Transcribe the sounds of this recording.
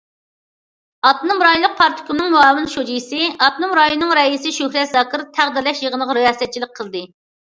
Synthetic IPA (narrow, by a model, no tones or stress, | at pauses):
ɑt̪numɾɑjolˠəq̚pʰɑɾt̪ʰɪ̥kʲunɨŋmuɑːwɨnʃod͡ʒijsɨɑt̪numɾɑjonːɨŋɾɛisɪʃøhɾɛt̪zɑːkʰɨɾt̪ʰæʁd̪ɪɾlɛʃjəʁənəʁɾijɑːsɛt̪̚t͡ʃʰilɪk̚ʲqʰəlˠd̪ɨ